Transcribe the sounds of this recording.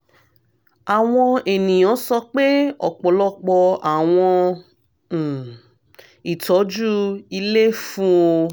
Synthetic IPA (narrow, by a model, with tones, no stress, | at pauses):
a˨w̃ɔ̃˧e˨nĩ˨jɔ̃˨˦sɔ˧k͡pe˦ɔ̰˨k͡pɔ˨lɔ˦k͡pɔ˧a˨w̃ɔ̃˧˨ | i˨tɔ˨˦d͡ʒu˦i˧le˦fũ˦o˧